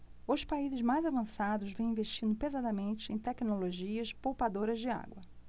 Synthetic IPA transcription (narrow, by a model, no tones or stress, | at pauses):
ʊspaizɪzmajzavɐ̃sad̪ʊzvẽw̃ĩveʃt͡ʃĩnd̪ʊpezad̪ɐmẽnt͡ʃɪẽj̃t̪ɛknoloʒiɐspowpad̪oɾɐzd͡ʒɪa̰ɡwɐ